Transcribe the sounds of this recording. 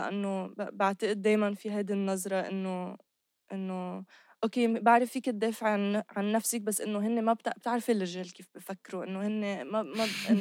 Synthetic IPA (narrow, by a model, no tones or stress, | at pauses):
ʔa̰nːobbaʕt̪ɪʔɪd̪̚ːeːjmanfiɦajd̪inːɑzˤɾˤɑʔɪ̰nːo | ʔɪnːo | ʔokeːbaʕɾˤɪfiːkɪt̪d̪ːeːfɪʕnʕanːafsɪk̚basːʔɪnːoɦɪnːemabt̪b̚t̪ɪʕɾafilːɪʒeːlkiːfbfakːɾuʔɪnːohɪnːemamaʔɪ